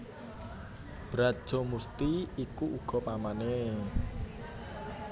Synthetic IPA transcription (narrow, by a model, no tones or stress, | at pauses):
b̥ɾḁʒ̥ɔ̤must̪iikuʔuɡ̥ɔ̤pamane